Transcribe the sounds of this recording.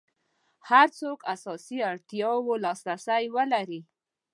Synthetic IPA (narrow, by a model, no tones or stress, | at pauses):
haɾt͡sokasɑsiaɽt̪jɑwolɑsɾasajwəlaɾi